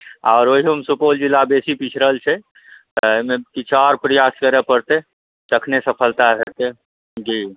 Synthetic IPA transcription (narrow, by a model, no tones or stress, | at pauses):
a̰ːɾoɦiɦəmsupold͡ʒilːabesipit͡ʃʰɾəlt͡ʃʰɛ | t̪əjmekit͡ʃʰɔɾpɾəjaskəɾepəɾt̪e | t̪əkʰnesəpʰəlt̪aɦet̪e | d͡ʒi